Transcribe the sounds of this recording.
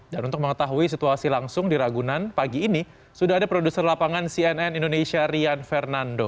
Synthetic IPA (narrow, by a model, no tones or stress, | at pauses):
danunt̪ʊk̚məŋət̪aɦuis̬it̪uasilaŋsʊŋdiɾaɡunanpaɡiːni | sudaɦadapɾodusərlapaŋansiɛnɛnindonesiaɾianfɛrnando